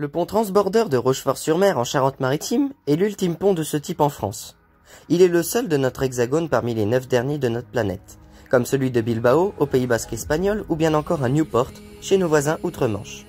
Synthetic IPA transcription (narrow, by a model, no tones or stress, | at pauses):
ləpɔ̃t̪χɑ̃sbɔʁd̪œʁd̪əʁoʃfɔʁsyʁmɛʁɑ̃ʃaʁɑ̃t̪maʁit̪imɛlylt̪impɔ̃d̪əsət̪ipɑ̃fχɑ̰̃s | ilɛləsœld̪ənɔt̪χɛɡzaɡonpaʁmilenœfd̪ɛʁnjed̪ənɔt̪χəplanɛ̰t̪ | kɔmsəlɥid̪əbilbaoʔopeibaskɛspaɲɔlubjɛ̃nɑ̃kɔʁɛ̃njupɔʁt̪ʃenovwazɛ̃ʔut̪χəmɑ̰̃ʃ